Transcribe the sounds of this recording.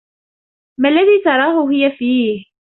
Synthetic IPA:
malːaðiːt̪ɑɾˤɑːɦʊɦɪjafiːh

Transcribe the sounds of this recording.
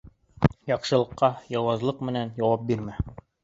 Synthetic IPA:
jɑqʃɤ̆lˠɤ̆qːɑjɑwɑzlˠɤqmɘ̆nænjɑwɑp̚biɾmæ

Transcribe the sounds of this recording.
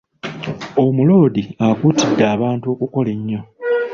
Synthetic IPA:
o̞mulo̞ːdiakuːtidːaːβaːntuo̞ːkuko̞le̞ɲːo̞

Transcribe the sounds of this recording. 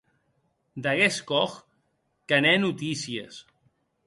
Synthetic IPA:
d̪aɣeskɔx | kanɛnut̪isiḛs

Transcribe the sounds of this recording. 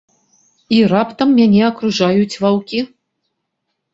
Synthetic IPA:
irapt̪ɐmːʲanʲɛɐkɾuʐajut͡sʲvawkʲi

